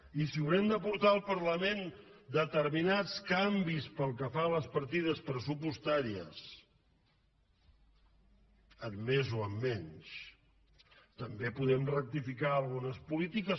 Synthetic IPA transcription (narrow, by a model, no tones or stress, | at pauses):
isiuwɾɛmd̪əpuɾt̪aəlˠpəɾləmen | d̪ət̪əɾminat͡skambispəlˠkəfaləspəɾt̪iðəspɾəsupust̪aɾiə̰s | əmːezoəmːɛɲs | t̪əmbepuðɛmrək̚t̪ifikaəlˠɣunəspulit̪ikəs